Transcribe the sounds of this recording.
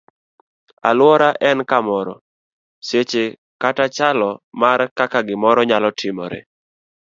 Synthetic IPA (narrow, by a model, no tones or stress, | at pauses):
a̰lwɔɾaʔɛnkamɔɾɔ̰ | set͡ʃe | katat͡ʃalɔmarkakaɡɪmɔɾɔɲalɔtʰɪmɔ̰ɾḛ